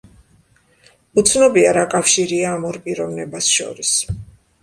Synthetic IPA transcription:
ut̪sʰnɔbiaɾakʼafʃiɾiaːmɔɾpʼiɾɔvnɛbasʃɔ̰ɾis

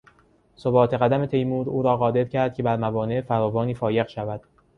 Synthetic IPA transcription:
so̞bɒːt̪ʰe̞ɣæd̪æme̞t̪ʰe̞jmuːd̪uːɾɒːɣɒːd̪e̞ɾcʰæɾd̪̚cʰe̞bæɾmævɒːnefæɾɒːvɒːniːfɒːje̞ɣʃævæd̪̥

